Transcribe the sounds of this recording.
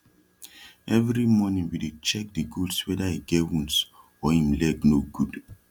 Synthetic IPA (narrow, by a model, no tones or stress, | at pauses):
ɛvɾimɔnĩnwidet͡ʃɛk̚diɡudswɛdaiɡɛtwũns | ɔhĩmlɛknoɡud̥